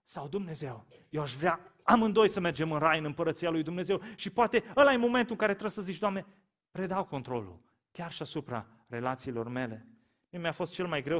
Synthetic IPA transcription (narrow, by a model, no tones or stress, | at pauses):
sawd̪umne̞ze̞w | jewaʃvɾea | amɨnd̪o̞jsəme̞rd͡ʒe̞mɨnrajɨnɨmpəɾət̪sialujd̪umne̞ze̞wʃipoat̪e̞əlajmo̞me̞nt̪uɨŋkaɾe̞t̪ɾəsəzit͡ʃd̪oamne̞ | pɾe̞d̪awko̞nt̪ɾo̞lṵl | kʲarʃiasupɾa̰ | re̞lat̪siːlo̞rme̞le̞ | miemeafo̞st̪t͡ʃe̞lmajɡɾew